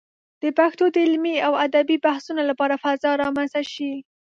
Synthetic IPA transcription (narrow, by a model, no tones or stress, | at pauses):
d̪̥əpaxt̪od̪əɪlmiawad̪abibahsunolapɑɾafazɑɾɑmanzt̪aʃi